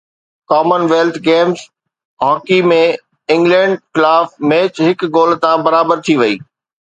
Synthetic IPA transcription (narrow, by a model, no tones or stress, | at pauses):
kaːmənʋeːlt̪ʰɡeːmz | ɦɔ̃ːkimẽ | ɪ̃ŋɡlɛ̃ːɳɖxɪlaːfmeːt͡ɕɦɪkɡoːlt̪ãbɐɾaːbəɾt̪ʰiʋɐiː